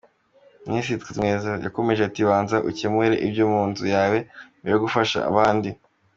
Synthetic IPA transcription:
mnisitkimŋeːzeja̰ko̞me̞ʒetiβaːnzaʔucemweɾeʔibɟuːmuːnzujaːwe̞βiɾoɡufaʃa̰ːβaːndi

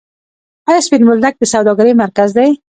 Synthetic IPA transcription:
ajɑspɪnmʊld̪ak̚d̪əsawd̪ɑɡaɾejmaɾkazd̪aj

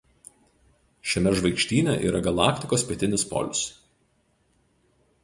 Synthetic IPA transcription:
ʃʲɛmʲɛʒʋɐɪkʃʲt̪ʲiːnʲɛʔiːɾɐɡɐlˠɑ̰ːkt̪ʲɪkoːspʲiɛt̪ʲɪnʲɪspɔ̰ːlʲʊ̰s

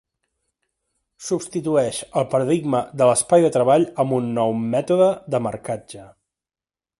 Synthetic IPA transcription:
supst̪it̪uɛʃəlˠpəɾəðiɡməd̪ələspajðət̪ɾəβaʎəmbunːɔwmɛt̪uðəðəməɾkad͡ʒə

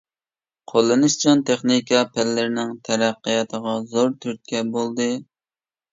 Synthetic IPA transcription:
qʰolˠːɨnɨʃt͡ʃɑnt̪ʰeχnikʰɑpʰælːɪɾɪnɪŋt̪ʰɛɾæqːəjɑt̪ʰəʁɑzoɾt̪ʰyɾt̪̚kʲɛbolˠd̪ɨ

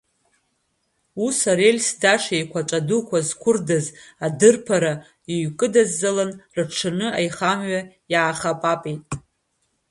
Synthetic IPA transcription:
usaɾelʲsdaʂejkʷʰat͡ʃʷʼadukʷʰazkʷʰʊrdazadɨrpʰaɾa | iɥkʼɨdazːalanrɨʈ͡ʂʰɨnɨajχamɥa | jaːχapʼapʼejtʼ

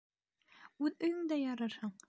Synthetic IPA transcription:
ʉðɵ̆jɵŋd̪æjɑɾɑɾhɑɴ

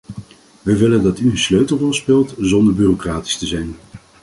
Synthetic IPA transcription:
ʋəʋɪləndɑtyənsløɥtəl̩ˠrɔlˠspɪːlˠtzɔndəɹbyːrokraːti̥stəzɛjn

